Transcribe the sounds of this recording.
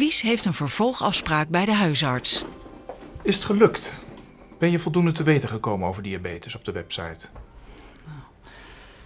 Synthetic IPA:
isɦejftənvəɹv̥ɔlˠχɑfspraːk̚bɛjdəɦœɥsɑɹts | ɪsətχəlɵkt | b̥ɛnjəvɔlˠdundətəʋejtəχəkowmənowvəɹdiabejtəsɔb̚dəʋɛpsɑ̰jt

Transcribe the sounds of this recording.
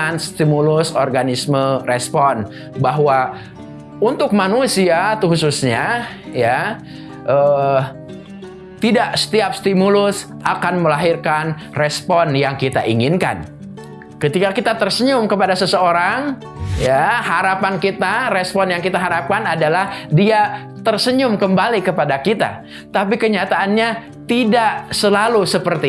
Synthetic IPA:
nst̪imulʊsɔrɡanismərɛspɔn | baɦwa | unt̪ʊk̚manusiat̪uhususɲa | ja | ʔə | t̪idaʔsə̥t̪iap̚st̪imulʊs | ʔakanməlaɦirkan | rɛspɔnjaŋkit̪aʔiŋɪnka̰n | kət̪ikakit̪at̪ərsəɲʊmkəpadasəsəoɾaŋ | jahaɾapankit̪aɾɛspɔnjaŋkit̪aɦaɾap̚kanadalahdia | t̪ərsəɲʊmkəmbalikəpadakit̪a̰ | t̪apikəɲat̪aːnɲa | t̪idaʔsəlalusəpərt̪i

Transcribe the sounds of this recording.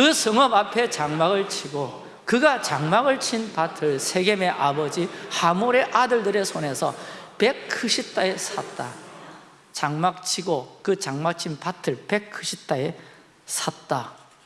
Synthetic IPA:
kɯsʰɯŋʌbapʰe̞t͡ɕaŋmaɡɯɭt͡ɕʰiɡo | kɯɡat͡ɕaŋmaɡɯɭt͡ɕʰinpatʰɯɭsʰe̞ɡeme̞ʔabʌd͡ʑihamoɾe̞ʔadɯɭdɯɾe̞sʰone̞sʰʌpe̞k̚kʰɯɕʰip̚t͈aesʰat̚t͈a̰ | t͡ɕaŋmak̚t͡ɕʰiɡokɯt͡ɕaŋmak̚t͡ɕʰinpatʰɯɭpe̞kʰɯɕʰip̚t͈ae | sʰat̚t͈a

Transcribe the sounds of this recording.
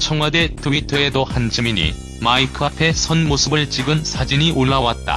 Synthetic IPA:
t͡ɕʰʌŋwade̞tɯwitʰɯe̞dohant͡ɕʰɯmiɲḭ | maikʰɯapʰe̞sʰʌnmosʰɯbɯɭt͡ɕ͈iɡɯnsʰad͡ʑiɲiʔoɭːawat̚t͈a̰

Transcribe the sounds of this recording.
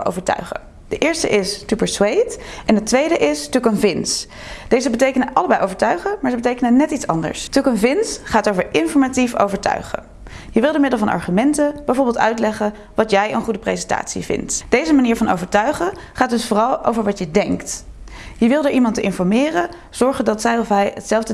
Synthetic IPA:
o̰wvəɹtœ̰ɥχə̰ | d̥əʔɪːɹstə̰ʔɪstypəɹswejtɛnɦətʋejdəʔɪstukənvɪns | d̥ejzəbətejkənəʔɑləbɛjʔowvəɹtœɥχəmaːɹzəbət̬ejkənənɛtitsɑ̰ndə̰ɹstukənvɪnsχaːtowvəɹʔɪnfɔɹmatifo̰wvəɹtœ̰ɥχə̰ | jəʋɪlˠdəmɪdəlˠvɑnʔɑ̰ɹχymɛntəb̥ɛjvɔɹbɪːlˠtœ̰ɥtlɛχə | ʋɑtjɛjə̰nχudəprejzɛnta̰ːtsḭvɪ̰ntd̥ejzəmaniːɹvɑno̰wvəɹtœɥχə | χaːt̚dɵsfoːrɑlˠo̰wvəɹʋɑtjədɛŋktjəʋɪlˠdəɹʔimɑntəʔɪnfɔɹmɪːrə | z̥ɔɹχədɑtsɛjɔfɦɛjətsɛlˠvdə

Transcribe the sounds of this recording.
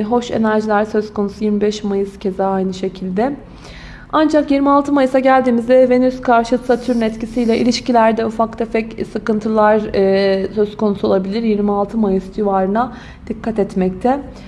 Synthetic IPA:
ɦo̞ʃe̞̰næɾʒilʲæɾsøzkʰo̞nusujiɾmibɛʃmajɯscʰe̞zaːajnɯʃe̞cʰilʲd̪ɛ | and͡ʒakjiɾmialˠt̪ʰɯmajɯsaɟælʲd̪iːmizd̪ɛve̞nyskʰaɾʃɯlsat̪ʰyɾynɛt̪cisijlʲɛʔḭlʲiʃcilʲæɾd̪ɛufak̚t̪ʰefɛcsɯkɯnt̪ʰɯlˠaɾ | søz̥ko̞nusuo̞lˠabilʲiɾjiɾmialˠt̪ʰɯmajɯsd̪yvaːɾɯna | d̪̥ikʰːat̪ɛt̪mɛc̚t̪ʰɛ

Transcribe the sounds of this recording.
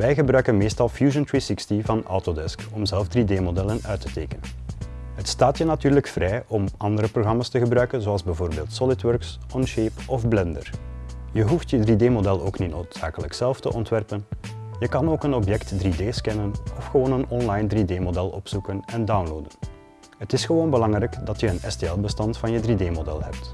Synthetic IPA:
ʋɛjɣəbɾœɥkənmeːstɑlˠfjuːʒəntɹisɪkstivɑnɔ̰wtodɛskɔmzɛlˠfdrideːmodɛlənœɥtəteːkənənɦətstaːtjənɑtyːrləkfrɛjʔɔmɑndəɾəproɣrɑmaːstəɣəbɾœɥkənzoɑlˠzbɛvoːrbeːlˠtsɔlɪtwœɹksɔnʃeːpɔvblɛndərjəɦuftjədrideːmodɛlˠo̰ːknitnoːtsaːkələksɛlˠftə̰ʔɔntʋɛrpən | jəkɑnoːkənɔpjɛktdrideːskɛnənɔfxəʋoːnənɔnlajndrideːmodɛlˠɔ̰psukənɛndawnloːdən | ɦətɪsxəʋoːnbəlɑŋrɛjkdɑtjəənɛsteɛlˠbəstɑntfɑnjədrideːmodɛ̰lˠɦɛ̰p̚t

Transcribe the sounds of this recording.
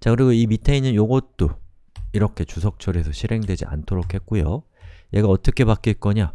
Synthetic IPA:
t͡ɕakɯɾiɡoimitʰeinɯnjoɡʌt̚t͈o | iɾʌkʰe̞t͡ɕusʰʌk̚t͡ɕ͈ʰʌɾesʰʌɕʰiɾe̞ŋdwe̞d͡ʑḭʔa̰ntʰoɾokʰhe̞t̚k͈ujo | je̞ɡaʌt͈ʌkʰe̞pak͈iɭk͈ʌɲa

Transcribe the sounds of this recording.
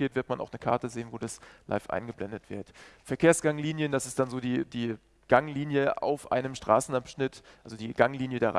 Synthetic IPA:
eːtv̥ɪɐtmanʔa̰ʊxnəkʰa̰ɐtəzeːənvoːdaslʔa̰ɪfʔa̰ɪnɡəblɛndətv̥ɪɐtfɛɐkʰeːɐsɡ̥aŋliːnjənd̥asɪstd̥anzoːdiːd̥iː | ɡ̥aŋliːnjəʔa̰ʊfʔa̰ɪnəmʃtʁ̥a̰ːsn̩ʔapʃnɪtʔalzodiːɡ̥aŋliːnjədaːʁa̰

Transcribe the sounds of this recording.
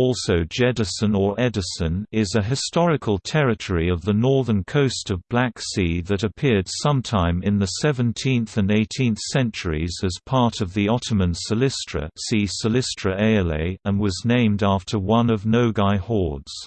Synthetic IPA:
ɔlˠsoʊd͡ʒɛdəsə̃nə˞ʔɛdɨsə̃nɪzɨɦɨstɔɹɨkʰəlˠtʰɛɹɨtʰəɹiʌvðənɔɹðə̃˞nkʰoʊstʌvblæksiðɨɾɨpʰɪɹd̥sʌ̃mtʰãɪ̃mɨ̃nðɨsɛvɨ̃ntʰĩnθɨ̃neɪtʰĩnθsɛ̃nt͡ʃə˞ḭzɨz̥pʰɑɹɾʌvðiɑɾəmə̃nsəlɪstɹ̥ə̰sisəlɪstɹ̥əʔeɪɛlḛɪə̃nwʌznẽɪ̃mdæftʰə˞wʌ̃nʌvnoʊɡaɪhɔɹdz̥

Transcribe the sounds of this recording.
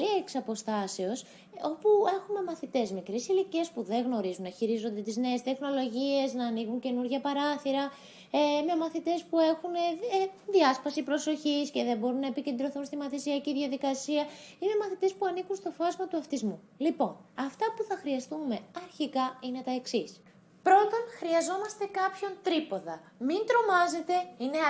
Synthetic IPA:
ieksɐpo̞st̪ɐse̞o̞s | o̞pue̞xume̞mɐθit̪e̞smikɾisiliciespuðe̞ŋɣno̞ɾizunːɐçiɾizo̞nd̪e̞t̪izne̞ːst̪e̞xno̞lo̞ʝie̞znɐːniɣuɲce̞nuɾʝɐpɐɾɐθiɾɐ | eime̞mɐθit̪e̞spue̞xuneðiɐspɐsipɾo̞so̞çisce̞ðembo̞ɾunːɐepice̞nd̪ɾo̞θunst̪imɐθisiɐciðʝɐðikɐsiɐime̞mɐθit̪e̞spuɐniɣunst̪o̞fɐzmɐt̪uɐft̪izmu | lipo̞nɐft̪ɐpuθɐxɾiɐst̪ume̞ɐɾçikɐine̞t̪ɐe̞ksis | pɾo̞t̪o̞nxɾiɐzo̞mɐst̪e̞kɐpço̞nt̪ɾipo̞ðɐ̰ | mint̪ɾo̞mɐze̞t̪e̞ine

